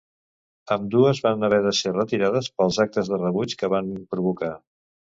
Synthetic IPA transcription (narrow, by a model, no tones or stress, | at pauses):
əmd̪uəzβanəβ̞ɛðəserət̪iɾaðəspəlˠzak̚t̪əzðərəβut͡ʃkəβanpɾuβuka